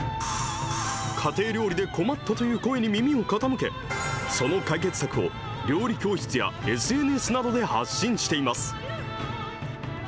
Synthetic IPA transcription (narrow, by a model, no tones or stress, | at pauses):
kʰat̪e̞ːɾʲo̞ːɾʲid̪e̞ko̞mat̪ːat̪o̞jɯ̟ːko̞e̞ɲ̟imʲimʲio̞kat̪amɯ̟ke̞̰ | so̞no̞kaik̬e̞t͡sɨ̥sakɯ̟o̞̰ | ɾʲo̞ːɾʲikʲo̞ːçi̥t͡sɨja̰e̞sɨe̞ːnɯesɨnad̪o̞d̪e̞ha̰ɕːĩɰ̃ɕi̥t̪e̞imasɨ̥